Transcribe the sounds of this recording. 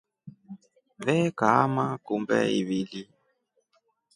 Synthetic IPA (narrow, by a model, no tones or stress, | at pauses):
βɛkamakumbɛ̰iβili